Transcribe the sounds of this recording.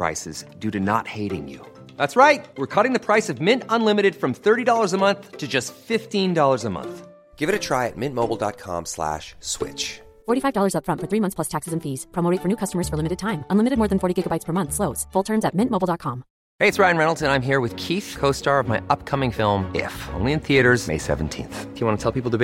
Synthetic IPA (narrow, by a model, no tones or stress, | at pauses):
ɹa̰ɪsɨ̰z̥dʉɾɨnə̰t̚heɪɾɪ̰̃ŋjʉ̰ | ðætsɹaɪt̚wɪɹkʰʌɾɪ̃ŋðɨpʰɹ̥aɪsʌvmɪ̃ntə̃nlɪ̃mɨɾɨd̥fɹʌ̃mθɜ˞ɾidɔlˠə˞zəmʌ̃nθtʰɨd͡ʒʌstfɪftĩndɔlˠə˞zəmʌ̰̃nθ | ɡ̥ɪvɨɾɨtʰɹ̥aɪɨ̰t̚mɪ̃nmoʊbl̩ˠdɑ̰t̚kʰɑ̰̃mslæ̰ʃswɪ̰t͡ʃ | fɔɹɾifaɪvdɔlˠə˞zʌpfɹʌ̃ntfə˞θɹimʌ̃θspʰl̥ʌstʰæksɨzɨ̃nfiz̥pʰɑmoʊeɪtfə˞nʉkʰʌstəmə˞z̥fə˞lɪ̃mɨɾɨd̚tʰãɪ̃mə̃nlɪmɨɾɨd̚mɔɹðɨ̃nfɔɹɾiɡɪɡəbaɪtspʰə˞mʌ̃nθsloʊtz̥fʊlˠtʰɜ̃˞nzɨt̚mɪ̃nmoʊbl̩ˠdɑt̚kʰɑ̃m | heɪɨtsɹaɪɨ̃nɹɛnl̩ˠtɨ̃nãɪ̃mɦiɹwɨð̥kʰiθkʰoʊstɑɹʌvmaɪʔʌp̚kʰʌmɪ̃ŋfɪlˠmɪ̰fõ̰ʊ̃nlˠiɨ̃nθiɨɾə˞zmḛɪsɛ̰ṽn̩tʰḭ̃nθjɨwɑ̃nətʰɛlˠpipl̩ˠtʰɨ